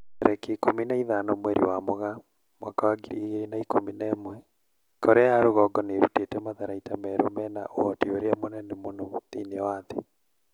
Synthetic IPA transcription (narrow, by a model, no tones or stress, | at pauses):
ɾʔɛkekominaiðanɔmwɛɾḭwamoɣa | mwakawaɡiɾḭɣeɾinaikominɛːmwɛ | koɾɛaɾoɣɔɡɔneɾutetɛmaðaɾaitamɛɾomɛna̰ʔohɔteoɾeamonɛnemonɔðineɔwaðe